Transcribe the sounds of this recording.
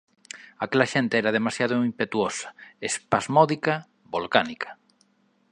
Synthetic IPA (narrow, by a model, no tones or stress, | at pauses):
akelaʃent̪eɛɾað̞emasjaðʊimpet̪uosḁespazmɔðika | bolkanikʰɐ̥